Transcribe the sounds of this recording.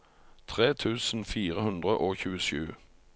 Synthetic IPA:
t̪ʰʁeːt̪ʰʉːsn̩fiːʁəhʉnd̪ʁəʔoːçʉːəʃʉ̰ː

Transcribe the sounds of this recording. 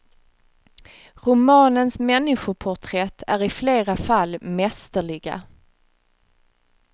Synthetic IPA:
ɾʊmɑːnənsmɛnːɪɧʊpʰʊʈʰɾɛt̪ʰːæɾɪfleːɾafalːmɛst̪əɭɪɡa̰

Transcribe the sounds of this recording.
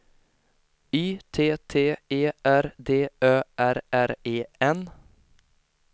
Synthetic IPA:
yːt̪ʰeːt̪ʰeːeːʔæɾd̪eːøːʔæɾæɾeːɛn

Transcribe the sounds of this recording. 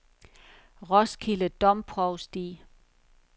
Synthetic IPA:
ʁɒskʰiləd̥ɒ̽mpʰʁɒʊsd̥ḭː

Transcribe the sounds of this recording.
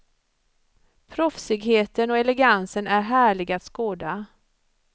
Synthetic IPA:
pʰɾɔfsɪɡɦeːt̪ənɔɛlɛɡansənæɾɦæːɭɪɡat̪skoːd̪a

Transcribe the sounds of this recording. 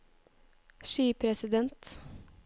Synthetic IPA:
ʃyːpʰɾɛsɪd̪ɛnt̪

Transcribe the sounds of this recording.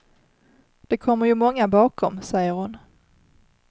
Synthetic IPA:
d̪̥ɛkʰɔmːəɾjɵmɔŋːabɑːkʰɔmsɛjːəɾhʊn

